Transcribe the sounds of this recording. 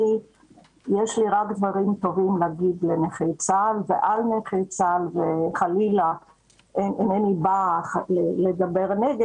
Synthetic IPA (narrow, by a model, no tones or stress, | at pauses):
i | jeʃliʁakd̪vaʁimt̪o̞vimleaɡid̪leneχejt͡salveʔalneχejt͡salveχalila | enenenibaχleleɡabeʁneɡe